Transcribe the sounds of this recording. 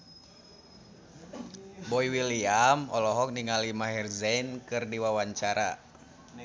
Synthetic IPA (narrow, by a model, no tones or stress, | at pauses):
bɔiwiliamɔlɔɦɔk̚niŋalimaɦɛrzɛnkɨrdiwawaɲt͡ʃaɾa̰